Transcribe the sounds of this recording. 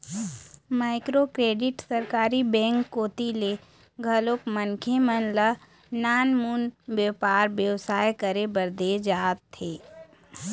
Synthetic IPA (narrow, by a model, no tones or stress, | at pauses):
maːɪkɾokɾeːɖɪʈsəɾkaːɾibɛ̃ːŋkːoːt̪ile | ɡʱɐloːkmənkʰemənlə | naːnmunʋjəpaːɾbjəʋsaːjkəɾebəɾd̪eːd͡ʒaːt̪ʰːeː